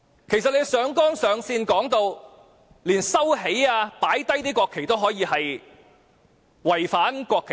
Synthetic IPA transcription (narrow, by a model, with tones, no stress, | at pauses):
kʰe˨˩js̬ɐ˨t̚le˨˧jsœː˨˧ŋkɔː˥nsœː˨˧ŋsiː˧nkɔː˨˥ŋt̪o˧w | liː˨˩nsɐ˥wɦe˨˥jaː˧paː˨˥jt̪ɐ˥jt̪iː˥kʷwɔː˧kʰːe˨˩jt̪o˥wɦɔː˨˥jiː˨˧hɐ˨j | wɐ˨˩jfaː˨˥nkʷɔː˧kʰe˨˩